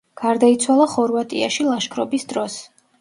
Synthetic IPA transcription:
ɡ̥aɾd̪ait̪sʰwalˠaχɔɾvat̪ʼia̰ʃilˠaʃkʰɾɔbisd̪ɾɔs

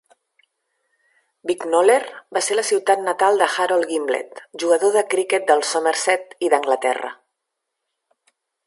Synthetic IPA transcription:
biknolerbaseɾləsiwt̪at̪nət̪alˠd̪əxaɾolˠɣimblḛt̪ʒuɣəðoðəkɾiket̪̚d̪əlˠsoməɾsɛt̪iðəŋɡlət̪ɛ̰rə̰

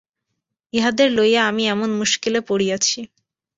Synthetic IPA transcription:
eɦad̪eɾlojaamiɛmonmuʃkilepoɽijat͡ɕʰi

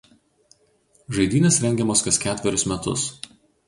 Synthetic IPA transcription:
ʒɐɪd̪ʲiːnʲesɾʲɛŋʲɡʲɛmoːskɐskʲæːt̪ʲʋʲɛɾʲʊsmʲɛt̪ʊ̰s

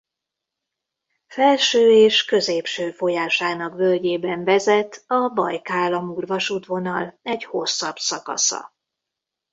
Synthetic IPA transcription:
fɛlʃøːeːʃkø̞zeːpʃøːfo̞jaːʃaːnɒkvølɟeːbɛɱvɛzɛt̪ɒbɒjkaːlːɒmuːrvɒʃuːt̪vo̞nɒlɛɟho̞sːɒb̥sɒkɒ̰sɒ̰

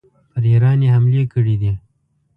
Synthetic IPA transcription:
pəɾjaɾɑnjehamlekəɽid̪i

